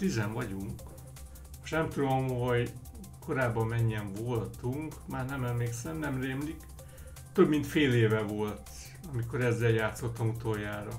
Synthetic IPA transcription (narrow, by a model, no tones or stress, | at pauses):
t̪izɛɱvɒɟuŋk | ʃnɛmt̪ud̪o̞mho̞ɟ | ko̞ɾaːbːɒmːɛɲːɛɱvolt̪uŋkmaːrnɛmɛmleːksɛmnɛmreːmlik | t̪øbmint̪feːleːvɛvo̞lt̪ | ɒmiko̞ɾɛzːɛljaːt̪so̞t̪ːɒmut̪ojaːɾɒ